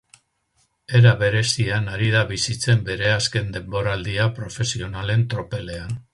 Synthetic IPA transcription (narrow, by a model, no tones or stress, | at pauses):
e̞ɾaβe̞ɾe̞sianaɾið̞aβisit͡se̞mbe̞ɾe̞aske̞nd̪e̞mbo̞ɾald̪iapɾo̞fe̞sio̞nale̞nt̪ɾo̞pe̞le̞an